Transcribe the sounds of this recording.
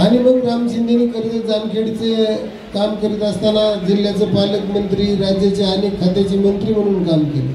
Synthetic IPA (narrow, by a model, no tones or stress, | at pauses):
añim̤əɡɾamɕind̪ʱiniːkəɾit̪əd͡zamkʰeɽit͡se | kamkəɾiːt̪əst̪anad͡zilːjat͡səpaləkmənt̪ɾiːɾad͡ʑjat͡ɕaanikʰːat̪at͡ɕiːmənʈ̪ɾiːm̤əɽ̃uːnkamkele